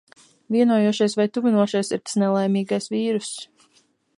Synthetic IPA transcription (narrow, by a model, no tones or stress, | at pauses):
viɛnuɔjuɔʃajsvajt̪uvinuɔʃajsiɾt̪ḁsnɛlˠɛjmiːɡajsviːɾus